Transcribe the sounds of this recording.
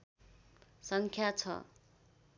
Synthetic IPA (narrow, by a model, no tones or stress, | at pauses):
sʌŋkʰjat͡sʰʌ̰